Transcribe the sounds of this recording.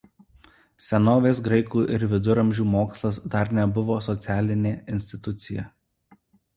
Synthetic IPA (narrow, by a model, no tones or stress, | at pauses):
sʲɛnoːʋʲeːs̬ɡɾɐɪkuːʔɪɾʋʲɪd̪ʊɾɐmʲʒʲuːmoːkslˠɐsd̪ɐɾnʲɛbʊʋoːsɔt̪sʲæːlʲɪnʲeːɪnʲsʲt̪ʲɪt̪ʊt̪sʲɪjɛ